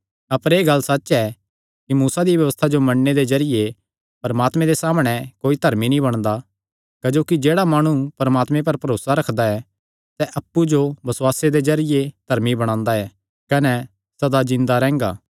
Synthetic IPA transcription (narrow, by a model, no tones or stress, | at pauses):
ɐpɾeːɡɐlːsɐːɛ | kimuːsad̪iʋjɐʋəst̪ʰad͡ʒomɐ̃ɳːed̪ezɐɾɪje | pɐɾmaːt̪mẽd̪esaːmɽ̃ɛkoːit̪ɐɾminĩbɐɽ̃d̪a | kɐd͡ʒoːkid͡ʒeːɽamaːɽ̃upɐɾmaːt̪mẽp̬ɐɾpɐɾoːsaɾɐkʰd̪aɛ | sɛʔɐpːud͡ʒobɐswaːsed̪ezɐɾɪjed̪ʱɐɾmibɐɽ̃ãːnd̪aɛː | kɐnɛ | sɐd̪azɪ̃nd̪aɾɛ̃ːŋɡa̰ː